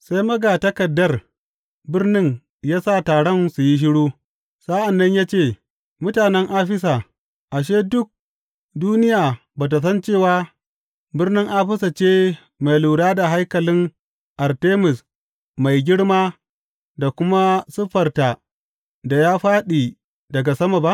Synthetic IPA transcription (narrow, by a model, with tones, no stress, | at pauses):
sa˦jmɐ˦ɡa˨tɐ˦kɐ˨dːɐ˦r | bɪ˦rnɪ˦ŋ | jaː˦saː˦˨taː˨ɽɔ˦nsu˨ji˦ʃ̬ɪ˦ɽuː˦ | sa˦ʔa˨nːɐ˦ɲjaː˦t͡ʃeː˦˨ | mʊ˦taː˨nɛ˦ŋʔaː˦ɸɪ˦s̬a˨ | ʔa˨ʃ̬eː˦dʊ˦k̚ | duː˦nɪ˦jaː˨ | baː˨t̬a˨s̬ɐ˦nt͡ʃeː˦˨waː˦ | bɪ˦rnɪ˦ŋʔaː˦ɸɪ˦sa˨t͡ʃeː˦ | ma˨jluː˨ɽaː˦da˨ɦa˦jkɐ˨lɪ˦ŋ | ʔa˨rteː˦mɪ˨s | ma˨jɡʲɪ˦ɽmaː˦ | da˨kʷʊ˦ma˦sʊ˦ɸɐ˨rta˨ | da˨jaː˦ɸaː˦ɗiː˨ | dɐ˨ɡa˨sɐ˦ma˨ba˦ʔ